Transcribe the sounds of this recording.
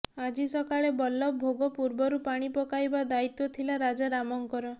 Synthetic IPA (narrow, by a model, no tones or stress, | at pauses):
ad͡ʒisɔkaɭebɔlːɔbʱoɡɔpuɾbɔɾupaɽ̃ipɔkajbad̪ait̪ɔt̪ʰilaɾad͡ʒaɾamɔŋkɔɾɔ